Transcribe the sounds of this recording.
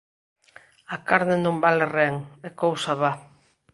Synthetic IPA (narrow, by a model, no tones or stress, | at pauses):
akaɾnenõmbalereŋekowsaβa